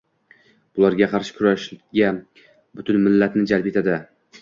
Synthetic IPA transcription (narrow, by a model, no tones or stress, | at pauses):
bʊlˠaɾɡʲaqʰɑɾʃɪ̥kʰʊɾaʃɡʲa | bʊt̪ʰʊnmɪlːat̪nɪd͡ʒalpe̞t̪ʰad̪ɪ